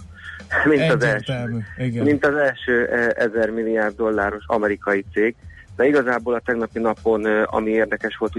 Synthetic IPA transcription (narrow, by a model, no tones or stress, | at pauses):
mint̪ɒzɛlʃømint̪ɒzɛlʃøːʔʔɛzɛrmilːijaːrd̪ːo̞lːaːɾo̞ʃɒ̰mɛɾikɒjit̪seːɡ | d̪ɛiɡɒzaːboːlɒt̪ɛɡnɒpinɒpo̞nɒ̰mieːrd̪ɛkɛʃʋo̞lt̪u